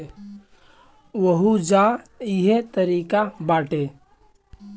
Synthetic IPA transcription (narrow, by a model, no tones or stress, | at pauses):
ʋəɦud͡ʒaɪɦet̪əɾiːkabaːʈe